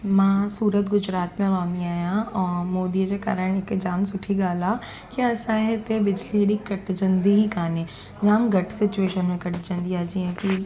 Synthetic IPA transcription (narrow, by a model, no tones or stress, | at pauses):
mãːsuːɾət̪ɡʊd͡ʒɾaːt̪mẽɾɔːniaːjãɔːɾmoːd̪id͡ʒeka̰ːɾəɽ̃ekd͡ʒaːmsʊʈʰiɡaːla | kasãɦɛt̪ebɪd͡ʒliɾikɐʈd͡ʒɐ̃nd̪iɦikaːne | d͡ʒaːmɡɐʈsɪt͡ʃueːʃənmẽkɐʈd͡ʒɐ̃nd̪iaːd͡ʒiɦɛ̃ki